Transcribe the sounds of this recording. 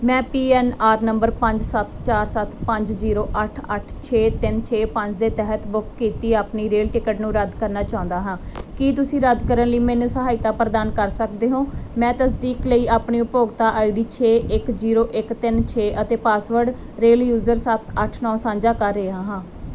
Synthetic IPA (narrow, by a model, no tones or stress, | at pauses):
mɛ̃ːpiːɛːnaːɾnəmbəɾpəɲd͡ʒsət̪t͡ʃaːɾsət̪pəɲd͡ʒziːɾoːʔəʈʰəʈʰt͡ʃʰeːt̪ɪnt͡ʃʰeːpə̃ɲd͡ʒd̪eːt̪ɛɦət̪bʊkʰkːiːt̪iːaːpniːɾeːlʈɪkəʈnũːɾəd̪kəɾnaːt͡ʃaːʊ̃nd̪aːɦãːkiːt̪ʊsĩːɾəd̪kəɾənləiːmɛ̃ːnũːsəɦaːɪt̪aːpɾəd̪aːnkəɾsək̚d̪eːɦõːmɛ̃ːt̪əsd̪iːkləiːaːpɳiːʊpoːɡt̪aːʔaːiɖiːt͡ʃʰeːʔɪkziːɾoːʔɪkt̪ɪnt͡ʃʰeːʔət̪eːpaːsʋəɾɖ | ɾeːljuːzəɾsət̪ʰəʈʰnɔ̃ːsãːɲd͡ʒaːkəːɾeːaːɦãː